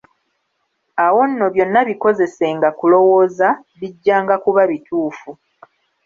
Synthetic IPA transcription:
awo̞nːo̞βjo̞nːaβiko̞ze̞se̞ŋɡakulo̞wo̞ːza | βiɟːaːŋɡakuβaβituːfu

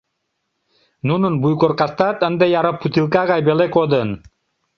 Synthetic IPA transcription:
nununbujkoɾqast̪at̪ənd̪ejaɾɤpʰːut̪ilˠkaʁajbelekod̪ən

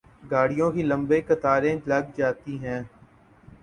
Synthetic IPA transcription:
ɡaːɽijõːkilə̃mbekɐt̪aːɾẽlɐɡd͡ʒaːt̪iɦɛ̃ː

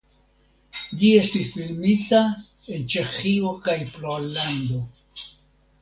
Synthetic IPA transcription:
d͡ʒie̞stisfilmita | e̞nt͡ʃe̞xio̞kajfloland̪o̞

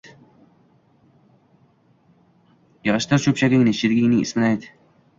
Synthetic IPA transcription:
jɑʁɑʃt̪ɪɾt͡ʃʰɵpʃaɡʲɪŋnɪʃɪd̪ɪɡʲɪŋnɪŋɪ̰smɪnajd̪ɪ

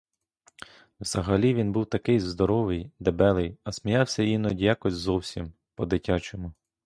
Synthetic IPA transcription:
wz̥ɐɦɐlʲiʋʲinbuwt̪ɐkɪjzd̪ɔɾɔʋɪjd̪ebɛlˠɪjɐsʲmʲijɑwsʲɐjinɔdʲjakɔsʲzɔwsʲim | pɔd̪ɪtʲat͡ʃemʊ

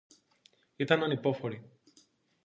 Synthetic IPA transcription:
it̪ɐnɐnipo̞fo̞ɾi

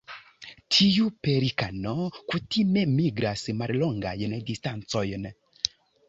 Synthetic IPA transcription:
tʰijupɛɾikanɔkut̪imɛmiɡɾasimaɾlɔŋɡa̰jənɛdistansɔjənɛ

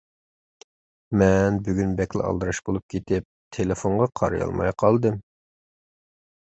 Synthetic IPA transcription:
mɛnbyɡʲynbɛkʲlɪ̰ɑ̰lˠd̪ɨɾɑʃbolˠup̚kʲʰet̪ɪp̚t̪ʰelefoɴʁɑqʰɑɾɑjɑ̰lˠmɑ̰jqʰɑlˠd̪ɨm

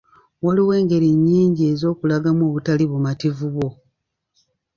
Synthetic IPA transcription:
waliwe̞ːŋɡe̞ɾiɲːiːɲɟie̞zo̞ːkulaɡamo̞ːβutaliβumativuβwo̞

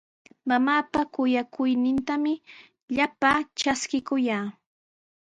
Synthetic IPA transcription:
mamaːpakʊjakʊjnɪnt̪amɪ | ʎapaːt͡ʃaskɪkʊjaː

